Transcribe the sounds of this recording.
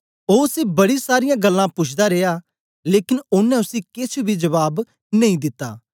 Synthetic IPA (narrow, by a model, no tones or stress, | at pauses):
oːʊseːbɐɽiːsaːɾɪjãːɡəlːãːpʊt͡ʃʰd̪aːɾeːaː | leːkɪnʊnːɛ̃ʊsĩkɪt͡ʃʰbiːd͡ʒəʋaːb | nɐĩd̪ɪt̪ːa̰ː